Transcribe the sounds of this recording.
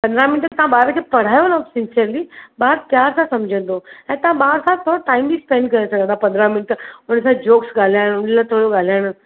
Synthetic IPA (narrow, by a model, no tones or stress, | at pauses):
pɐ̃nd̪ɾamɪnɪʈt̪ɐãbaːɾkʰeːpɐɽ̤aːjoləsɪnsijəɾlibaːɾt̪jaːɾsãsɐmd͡ʑʱə̃nd̪oɛ̃ːt̪ɐãɓaːɾsãt̪ʰoʈaːimbispẽɳɖkɐɾesɐɡə̃nd̪apɐ̃nd̪ɾamɪnɪʈ̪ʊnsãd͡ʑoːksɡaːl̤jaɽ̃ʊnlat̪ʰoɽoɡaːl̤jaɽ̃